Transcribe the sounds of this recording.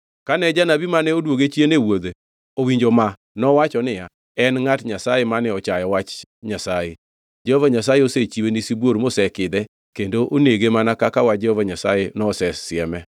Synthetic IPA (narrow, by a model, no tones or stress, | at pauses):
kanɛd͡ʒanabimanɛodwoɡet͡ʃienewod̪e | owiɲd͡ʒoma | nɔwat͡ʃɔnɪja | ɛnŋatɲasajemanɛɔt͡ʃajɔwat͡ʃɲasaje | d͡ʒɛhovaɲasajeoset͡ʃiwenisibwoɾmosɛkɪd̪ɛ | kendoʔoneɡemanakakawad͡ʒɛhovaɲasajenɔsɛsɪɛmɛ